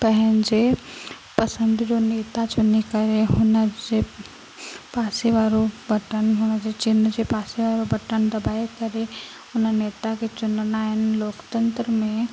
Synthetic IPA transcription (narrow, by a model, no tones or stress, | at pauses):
pɛɦənd͡ʒe | pɐsə̃nd̪d͡ʒoːneːt̪at͡ʃʊnikɐɾeɦʊnəd͡ʒe | paːseʋaːɾobɐʈənɦʊnəd͡ʒet͡ʃɪnəd͡ʒepaːseʋaːɾobəʈənd̪ɐbaːekɐɾe | ʊnneːt̪aket͡ʃʊnnaːjənloːkt̪ə̃nt̪ɾəmẽ